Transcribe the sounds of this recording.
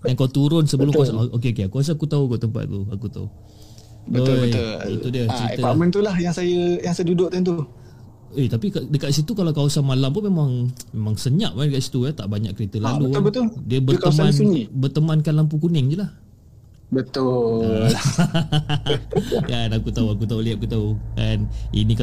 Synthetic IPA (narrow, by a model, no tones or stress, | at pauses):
jankawt̪uɾʊnsəbəlʊmksaok̬eok̬eakuas̬aakut̪aukat̪əmpa̰t̪̚t̪ua̰kut̪a̰ṵ | bəojəudiət͡ʃəɾiəamənt̪ulahjaŋsajəjaŋsajədudʊʔ̚t̪ant̪̬u | et̪apikadəkat̪ʔ̪sit̪ukalawkawasanmalampunmemaŋmemãŋsəɲaʔmandəkat̪ʔsi̥t̪uat̪aʔbaɲaʔkəɾit̪əlalubət̪ʊldiəbək̪mãnɲibərt̪əmankanlamp̬ukunɪŋd͡ʒulah | bət̪ʊ | kanakut̪auakut̪auliaʔakut̪aukanḭnika